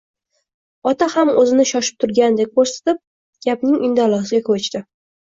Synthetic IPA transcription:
ɒt̪ʰahamɵzɪnɪʃɒʃɪ̥p̚t̪ʰʊɾɡʲand̪ek̚ʲkoɾsḁt̪ɪp̚ | ɡ̥ʲapnɪŋʊnd̪alˠɒsɪɡʲakʰot͡ʃt̪ɪ

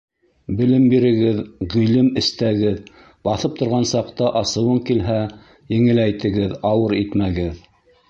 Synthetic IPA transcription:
bɘ̆lɘmbiɾɘ̆ɡɘðʁĭlɘmɘ̆st̪æɡɘð | bɑθɤp̚t̪ʰŏɾʁɑnsɑqt̪ɑʔɑsɤ̆wɤŋkilɦæ | jɘ̆ŋɘ̆læjt̪ɘ̆ɡɘðɑwɤɾit̪mæɡɘð

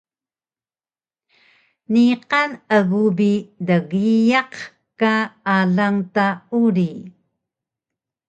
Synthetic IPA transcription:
niqanəɣubidəɣijaq | kaaɮaŋtauɾi

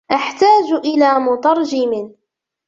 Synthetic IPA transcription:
ʔaħt̪aːd͡ʒʔɪlaːmʊt̪ˤɑɾˤd͡ʒɪmɪ

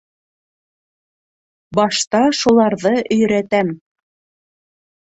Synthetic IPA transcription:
bɑʃt̪ɑʃulˠɑɾðɤʔɵ̆jɾæt̪æm

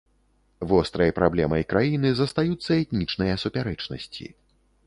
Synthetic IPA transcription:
vɔst̪ɾɐjɐpɾablʲɛmɐjkɾajinɨzɐst̪ajut̪sːɐɛt̪nʲit͡ʂnɐjɐsupʲaɾɛt͡ʂnɐ̰sʲt͡sʲḭ

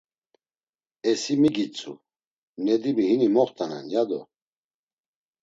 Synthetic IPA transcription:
ɛsimiɡit͡sʼṵ | nɛd̪imiɦinimɔχt̪ʰʼana̰njad̪ɔ̰

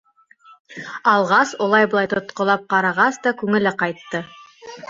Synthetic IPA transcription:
ɑlˠʁɑsolˠɑjbŏɑjt̪ŏt̪qŏlˠɑp̚qɑɾɑʁɑsd̪ɑkʉŋɘ̆lɘqɑjt̪ːɤ

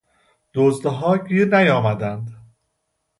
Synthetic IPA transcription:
d̪̥ozd̪ɦɒːɟʲiːɾnæjɒːmæd̪ænd̪

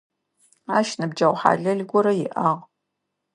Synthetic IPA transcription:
aːʃnɨbd͡ʒɐwʷħa̰ːɮɐɮɡʷɔɾɐjɪʔaʁ

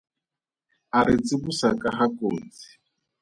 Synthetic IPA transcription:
aɾɪt͡sʼiβusakʼaɦakʼoːnd͡zi̥

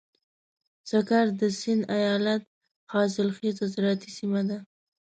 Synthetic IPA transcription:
z̥akaɾd̪əsɪnd̪ajɑlat̪̚ | xɑsɪlxezazɾɑt̪isimad̪a

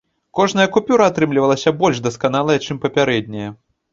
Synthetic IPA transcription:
kɔʐnɐjɐkupʲuɾɐːt̪ɾɨmlʲivɐlˠɐsʲɐbɔlʲʂd̪ɐskanalˠɐjɐt͡ʂɨmpɐpʲaɾɛd̪ʲnʲɛjɐ

